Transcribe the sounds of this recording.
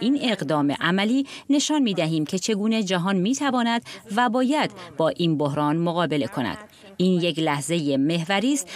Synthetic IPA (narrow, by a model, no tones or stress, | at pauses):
ʔiːne̞ɣd̪ɒːme̞̰ʔæmæliːne̞ʃɒːnmiːd̪æɦiːmcʰe̞t͡ʃʰe̞ɡuːne̞d͡ʒæɦɒːnmiːt̪ʰævɒːnæd̪væbɒːjæd̪̥bɒːʔiːnbo̞hɾɒːnmoɣɒːbe̞le̞kʰo̞næ̰d̪̥ | iːnje̞clæhze̞jeme̞hvæɾiːst̪